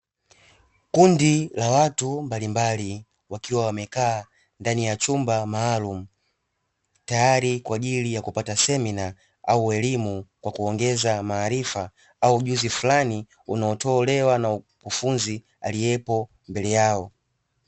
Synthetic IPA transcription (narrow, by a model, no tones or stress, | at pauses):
kundilawatumbalimbali | wakiwawamɛkaː | ndanijat͡ʃumbamaːlum̩ | tajaɾikwaʄilijakupatasɛmina | auɛlimukwakuɔŋɡɛzamaːɾifa | auʄuzifulani | unaɔtɔlɛwanau | kufunzi | a̰lijɛpɔ | mbɛlɛjaɔ